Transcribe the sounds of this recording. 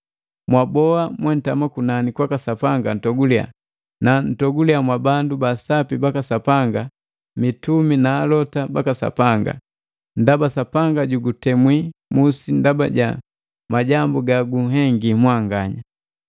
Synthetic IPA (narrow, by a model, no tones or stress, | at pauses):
mwabɔamwɛn̩tamakunanikwakasapaŋɡan̩tɔɡulia̰ | nan̩tɔɡuliamwabandubasapibakasapaŋɡa | mituminaːlɔtabakasa̰paŋɡa̰ | ndabasapaŋɡaɟuɡutɛmwimusindaba̰ɟa̰ | maɟambuɡaɡuɦɛŋɡimwaŋɡaɲa